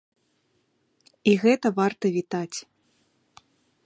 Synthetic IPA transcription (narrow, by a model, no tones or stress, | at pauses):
iɣɛt̪ɐvart̪ɐvʲit̪at͡sʲ